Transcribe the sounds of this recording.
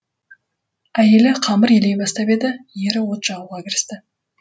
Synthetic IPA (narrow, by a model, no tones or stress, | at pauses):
æje̞lɪqʰɑməɾjele̞jbɑst̪ɑbe̞d̪ɪje̞ɾɪwo̞t̪ʒ̥ɑuʁɑkʲɪɾɪst̪ɪ